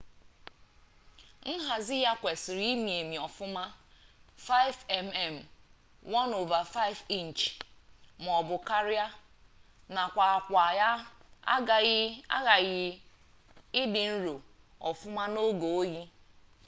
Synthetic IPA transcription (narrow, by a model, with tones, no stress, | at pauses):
n̩˦ɦa˨zɪ˦ja˦kʷe˨sɪ˨ɾi˦mi˨e˨mi˨ɔ˨fʊ˦ma˦ | fa˦ɪ˦fɛ˨mɛ˦˨m̩˨ | wɔ˦no˨va˨fa˦ɪ˦fi˦n̩˨t͡ʃm˨ɔ˨bʊ˨ka˦ɾɪ˦a˦ | na˨kʷa˨a˨kʷa˨ja˦a̰˦ɡa˨˦a̰˦ɣa˨ɣɪ˦ | ɪ˦dɪ˨n̩˦ɾo˨ | ɔ̰˨fʊ˦ma˦no˦ɡo˨o˦ɣi˦